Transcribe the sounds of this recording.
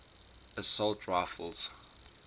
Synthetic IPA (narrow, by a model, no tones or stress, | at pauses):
əsɔltʰɹaɪfəlˠz̥